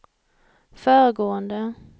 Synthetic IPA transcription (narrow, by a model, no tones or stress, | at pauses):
fœːɾəɡoːənd̪ə